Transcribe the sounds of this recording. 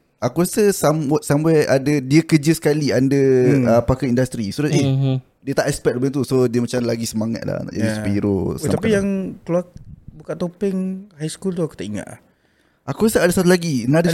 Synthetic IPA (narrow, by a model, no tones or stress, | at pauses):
akuɾasəsamsamɛjadədiəkəd͡ʒəsə̥kaliandəəpakəindast̪ɾisuɾʊeh | diət̪aʔɛspɛk̚ləbət̪̬usodiəmat͡ʃamlaɡisəmaŋa̰t̪̚la̰hna̰ʔd͡ʒadisəpiɾo̰saapijaŋkəluak̚bukaʔt̪opɪŋhajskult̪̬uaku̥t̪aʔiŋa̰t̪̚la̰h | akuɾasəadasat̪ulaɡinada